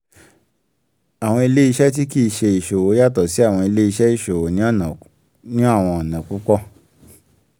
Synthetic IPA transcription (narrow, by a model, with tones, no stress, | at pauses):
a˨w̃ɔ̃˧i˧le˦i˧ʃɛ˦t̬i˦ki˦˨ʃe˧i˨ʃo˨wo˨˦ja˦˨tɔ˨si˨˦a˦˨w̃ɔ̃˧i˧le˦i˧ʃɛ˦i˦˨ʃo˨wo˨˦nĩ˨˦ɔ˦˨nã˨ | nĩ˦a˦˨w̃ɔ̃˧ɔ˨nã˨ku˦kɔ˦